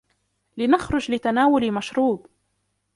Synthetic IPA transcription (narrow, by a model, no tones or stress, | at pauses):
lɪnaxɾʊd͡ʒlɪt̪anaːwʊlimaʃɾuːb